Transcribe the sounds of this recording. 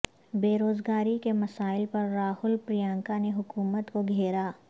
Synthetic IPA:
beːɾoːzɡaːɾikemɐsaːɪlpɐɾːaːhʊlpɾijãːŋkaneɦʊkuːmət̪koɡʱeːɾaː

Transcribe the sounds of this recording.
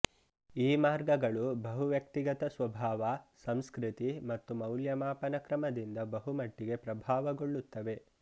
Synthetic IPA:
iːmaːɾɡɐɡɐɭubɐɦuʋjɐk̚t̪iɡɐt̪ɐsʋɐbʱaːʋɐsɐmskɾit̪imɐt̪ːumɐwljɐmaːpɐnɐkɾɐmɐd̪ind̪ɐbɐɦumɐʈːiɡe̞pɾɐbʱaːʋɐɡoɭːut̪ːɐʋe̞

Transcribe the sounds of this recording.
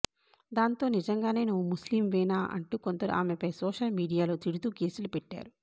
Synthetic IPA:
d̪aːnt̪o̞ːnid͡ʒɐŋɡaːne̞ːnuʋːumusliːmʋɛːnaːʔɐ̰ɳʈuːkont̪ɐɾṵʔa̰ːmepɐjsɔːʂɐlmiːɽijaːlo̞ːt̪iɽut̪uːke̞ːsulupɛʈːa̰ːɾu

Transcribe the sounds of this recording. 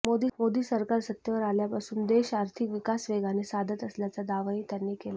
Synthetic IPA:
mod̪iːmod̪iːsəɾkaɾsət̪jəʋəɾaljapasuːnd̪eɕaɾt̪ʰikʋikasʋeɡanesad̪ʱət̪əsljat͡sad̪aʋaiːt̪janːiːkela

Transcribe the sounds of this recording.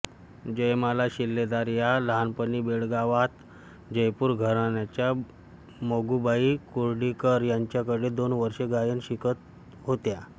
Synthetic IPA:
d͡ʑəjmalaɕilːed̪aɾjalanpənibeɭɡaʋat̪ | d͡ʑəjpuːɾɡʱəɾanjat͡ɕja | moɡubaikuɾɖikəɾjaɲt͡ɕjakəɽed̪onʋəɾɕeɡajənɕikət̪̚ | ɦot̪ja

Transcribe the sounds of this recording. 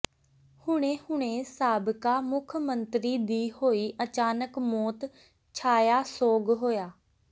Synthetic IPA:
hʊɽ̃ẽːhʊɽ̃ẽːsaːbkaːmʊkʰmənt̪ɾiːd̪iːhoːiːʔət͡ʃaːnəkmɔːt̪ | t͡ʃʰaːjaːsoːɡɦoːjaː

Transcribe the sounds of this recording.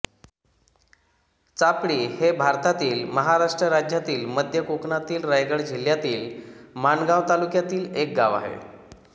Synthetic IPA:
t͡sapɽiːhebʱaɾt̪at̪iːlməɦaɾaʂʈɾəɾad͡ʑjat̪iːlməd̪ʱjəkokɳat̪iːlɾajɡəɽd͡ʑʱiljat̪iːlmanɡaʋt̪alukjat̪iːlek̚ɡaʋa̰ɦḛ

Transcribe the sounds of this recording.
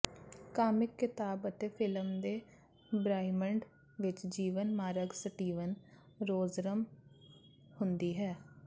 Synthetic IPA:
kaːmɪkːɪt̪aːbət̪eːpʰɪləmd̪eː | bɾaːɪməɳɖ | ʋɪt͡ʃd͡ʒiːʋənmaːɾəɡsəʈiːʋən | ɾoːzɾəm | hʊnd̪iːɦɛː

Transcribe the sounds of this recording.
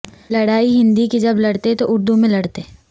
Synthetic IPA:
lɐɽaːiɦɪ̃nd̪ikid͡ʒɐblɐɽt̪et̪oʔʊɾd̪umẽlɐɽt̪e

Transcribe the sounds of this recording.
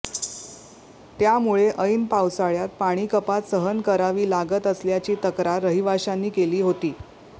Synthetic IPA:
t̪jamuɭeʔəjnpawsaɭjat̪̚paɽ̃iːkəpat̪səɦənkəɾaʋiːlaɡət̪əsljat͡ɕiːt̪əkɾaɾəɦiʋaɕanːiːkeliːɦot̪iː

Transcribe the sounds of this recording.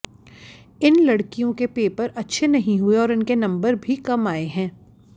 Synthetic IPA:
ɪnlɐɽkijõkepeːpɐɾʔɐtːʃʰenɐɦĩɦueɔːɾɪnkenɐ̃mbəɾbʱikɐmaːeɦɛ̃ː

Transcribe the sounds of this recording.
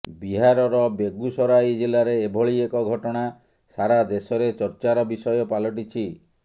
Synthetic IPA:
biɦaɾɔɾɔbeɡusɔɾajd͡ʒilaɾeːbʱɔɭiekɔɡʱɔʈɔɽ̃a | saɾad̪esɔɾet͡ʃɔɾt͡ʃaɾɔbisɔjɔpalɔʈ̬it͡ʃʰi

